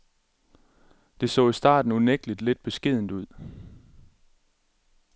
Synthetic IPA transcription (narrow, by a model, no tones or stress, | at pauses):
d̥e̝sɔ̰̽ːisd̥ɑ̰̈ːd̥n̩uneɡ̥lid̥led̥̚b̥e̝sɡ̥e̝ð̞̰ˠn̩d̥uð̞̰ˠ